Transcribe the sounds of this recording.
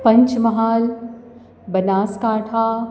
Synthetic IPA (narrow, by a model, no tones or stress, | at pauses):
pɐ̃ɲt͡ʃmɐɦaːl | bɐnaːskaːʈʰaː